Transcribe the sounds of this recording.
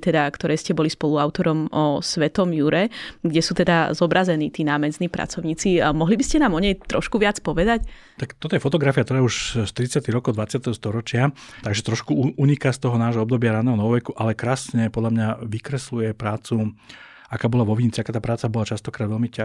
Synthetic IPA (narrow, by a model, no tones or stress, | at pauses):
t̪ɛd̪akt̪ɔɾɛjscɛbɔlispɔluaʊt̪ɔɾɔmɔsʋɛt̪ɔmjuɾɛɡɟɛsuːt̪ɛd̪azɔbɾazɛniːt̪iːnaːmɛzniːpɾa̰t͡sɔʊɲiːt͡simɔɦlibiscɛnaːmɔɲɛjt̪ɾɔʃkuʋɪat͡spɔʋɛd̪ac | t̪akt̪ɔt̪ɔjɛfɔt̪ɔɡɾafiakt̪ɔɾaːɛuʃst̪ɾit͡sɪat̪iɦɾɔkɔd̪ʋat͡sɪat̪ɛɦɔst̪ɔɾɔt͡ʃɪa | t̪aɡʒɛt̪ɾɔʃkuuɲikast̪ɔɦɔnaːʒɦɔɔb̚d̪ɔbɪaɾanɛɦɔnɔʋɔʋɛkuʔalɛkɾaːsɲɛpɔd̪lamɲaʋikɾɛslujɛpɾaːt͡su | akaːbɔlaʋɔʋint͡siakaːt̪aːpɾaːt͡sabɔlat͡ʃast̪ɔkɾaːd̪ʋɛlmica